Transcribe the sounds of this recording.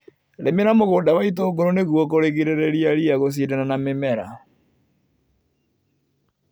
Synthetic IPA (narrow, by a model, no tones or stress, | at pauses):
ɾemenamoɣoːndaβaitoːɡoɾoneɣuɔk̬oɾeɣiɾeɾɛɾiaɾiaɣos̬iɾenanamemɛɾa̰